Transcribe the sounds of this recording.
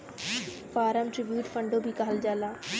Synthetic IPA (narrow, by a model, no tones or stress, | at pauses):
faːɾəmʈɾɪbjuːʈfə̃ɳɖobʱiːkaːld͡ʒaːlaː